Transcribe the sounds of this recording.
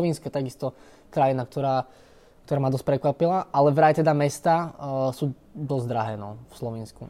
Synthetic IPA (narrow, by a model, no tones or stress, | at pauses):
ʋinskɛt̪aɡist̪ɔ | kɾajinak̚t̪ɔɾaː | kt̪ɔɾaːmad̪ɔsc̚pɾɛkʋapilaʔalɛʋɾajt̪ɛd̪amɛst̪aːsuː | d̪ɔzd̪ɾaɦɛːnɔfslɔʋiːnsku